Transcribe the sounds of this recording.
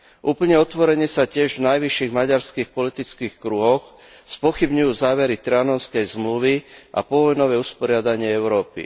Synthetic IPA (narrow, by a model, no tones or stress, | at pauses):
ʔuːpl̩ɲɛɔt̪ʋɔɾɛɲɪɛsacɪɛʒvnajʋiʃːiɣmaɟaɾskiːxpɔlit̪it͡skiːxkɾuɦɔxspɔxibɲujuːzaːʋɛɾit̪ɾɛanɔnskɛjzmluʋiʔa̰pɔʋɔjnɔʋɛuspɔɾɪad̪aɲɪɛɛʊɾɔːpḭ